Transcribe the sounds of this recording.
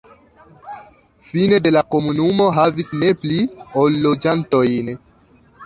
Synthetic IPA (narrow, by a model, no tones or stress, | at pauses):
fine̞de̞lako̞munumo̞ɦavisne̞pliolːod͡ʒanto̞jn